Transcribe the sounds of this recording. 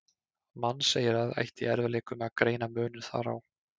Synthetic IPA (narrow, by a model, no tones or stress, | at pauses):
manːseːjɪɾaða̰jht̪ɪɛɾvaleːkʏmɛakɾeːjn̪amœːnʏɾ̥θa̰ɾa̰w